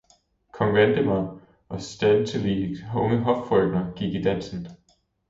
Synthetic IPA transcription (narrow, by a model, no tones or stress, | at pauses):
kʰɒ̽ŋʋend̥əmɑɪ | ʔɒ̽sd̥æðˠt͡sʰeliɔ̽ŋəɦɒ̽ffʁœɡ̥nɐɡ̥iɡ̥id̥æn̰sn̩